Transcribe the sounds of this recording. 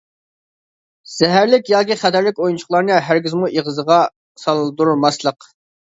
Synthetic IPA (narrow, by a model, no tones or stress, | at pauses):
z̥ɛɦæɾlɪkʲjɑːkʲiχæt̪ʰæɾlɪkʲojunt͡ʃʰʊ̥χlˠɑɾnɨɦæɾɡʲizmuʔeʁəzəʁɑ | sɑlˠɨd̪uɾulˠmɑslˠəq